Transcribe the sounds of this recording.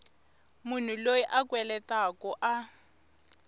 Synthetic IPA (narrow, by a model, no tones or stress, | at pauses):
mun̤ulojiʔakwɛlɛtakɔʔa